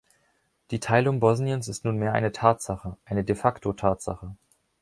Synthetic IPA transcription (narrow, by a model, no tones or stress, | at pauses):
d̥iːtʰaɪlʊŋbɔzniənsɪstnuːnmeːɐʔa̰ɪnətʰaːtz̥aχəʔaɪnədefaktʰotʰaːtz̥a̰χə